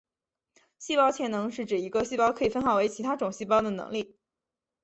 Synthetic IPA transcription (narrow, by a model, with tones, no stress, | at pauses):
ɕi˥˧pɑ˥ʊt͡ɕʰjɛ˥˩nɤ˧˥ŋʂɻ̩˥˩ʈ͡ʂɻ̩˨˩i˧˥ɡə˧ɕi˥˧pɑ˥ʊkʰɤ˧˥i˨˩fə˥nxɑ˨˩ʊwe˧˥ɪt͡ɕʰi˧˥a˥ʈ͡ʂʊ˨˩ŋɕi˥˩pɑ˥ʊd̪ə˨nɤ̰˧˥ŋli˥˩